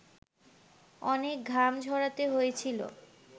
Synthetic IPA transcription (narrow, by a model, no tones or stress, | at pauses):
ɔnek̚ɡʱamd͡ʑʱɔɽat̪eɦojet͡ɕʰilo̰